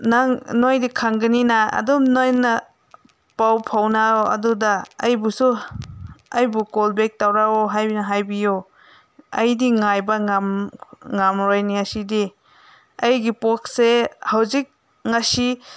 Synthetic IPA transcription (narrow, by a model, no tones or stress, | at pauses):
naŋnojdikʰaŋɡɯninaɐ̰dumnojnɐ | pawpʰawnaoɐ̰dudaɐjbusu | ɐjbukɔlbek̚tawɾawoɦajbinɐɦajbijo | ɐjdiŋajbɐŋamŋamɾojniasidi | ɐjɡipok̚sehawzik̚ | ŋasi